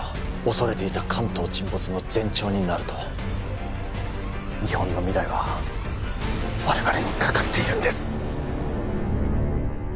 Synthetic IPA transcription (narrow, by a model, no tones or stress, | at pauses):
o̞so̞ɾe̞t̪e̞it̪akʰãnt̪o̞ːt͡ɕĩmbo̞t͡sɨno̞d͡zẽ̞ɲ̟t͡ɕo̞ːɲ̟inaɾɯ̟t̪o̞ | ɲ̟ihõ̞nːo̞mʲid̪aiβa | βaɾe̞βaɾe̞ɲ̟ikʰḁkat̪ːe̞iɾɯ̟̃nd̪e̞sɨ̥